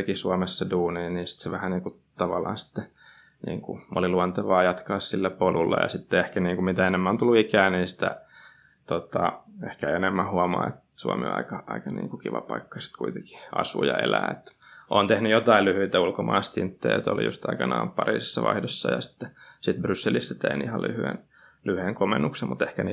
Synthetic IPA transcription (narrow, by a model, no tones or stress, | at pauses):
ekisuɑmesːɑduːniːniːnsi̥t̪seʋæhæniːŋku | t̪ɑʋɑlːˑɑ̰ːnsi̥t̪ːe | nḭːŋkṵʔo̰liluɑnt̪ɑʋɑːjɑt̪kɑːssilːæpolulːḛjɑsit̪ːeehkæniːŋkumit̪æenemːæont̪ulːuikæːniːnsi̥t̪æ̰ | t̪ot̪ɑehkæenemːæhuɑmɑ̰ːet̪suɑmḛɑ̰ikɑɑikɑnḭːŋkukiʋɑ̰pɑikːɑsi̥t̪kuit̪eŋki̥ɑ̰sṵjɑelæːḛt̪ | ʔoːnt̪ehnyjot̪ɑillyhyit̪æulkomɑːst̪int̪ːḛːt̪o̰lḭjṵst̪ɑikɑnɑːmpɑriːsisːɑʋɑ̰ihdosːɑjɑsi̥t̪ːe̥sit̪brysːelisːɑt̪einihɑlʔyhyḛn | lyhyeŋkomenːuksemmut̪ehkæni